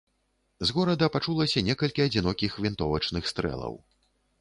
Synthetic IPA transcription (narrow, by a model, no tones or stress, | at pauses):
zɣɔɾɐd̪ɐpat͡ʂulˠɐsʲɐnʲɛkɐlʲkʲiɐd͡zʲinɔkʲixvʲint̪ɔvɐt͡ʂnɨxst̪ɾɛ̰lˠɐ̰w